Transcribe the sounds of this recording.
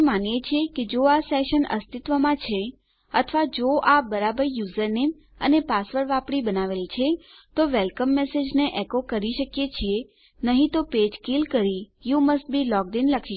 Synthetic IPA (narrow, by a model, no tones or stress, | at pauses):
manjet͡ʃʰieked͡ʒoasɛʃənə̰st̪it̪ʋəmãt͡ʃʰe | ət̪ʰʋad͡ʒoʔabəɾabəɾjuzəɾnem | ə̰nepasʋəɾʋapɽibənaʋelt͡ʃʰe | t̪oʋelkəmːesed͡ʒneʔɛkokəɾiʃəkjet͡ʃʰie | nəɦĩt̪oped͡ʒkilkəɾijuməsʈ̚bilɔk̚ɖinləkʰiʃ